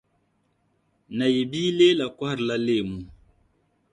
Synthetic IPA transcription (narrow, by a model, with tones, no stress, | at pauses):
na˨je˨biː˦le˦la˨kwa˦ɾla˦le˦˨mu˨